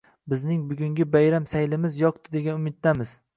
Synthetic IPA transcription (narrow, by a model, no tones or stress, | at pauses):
bɪznɪŋbʊɡʲʊŋɡʲɪbajɾamsajlɪmɪzjɒq̚t̪ɪd̪e̞ɡʲanʊmɪt̪̚d̪amɪz̥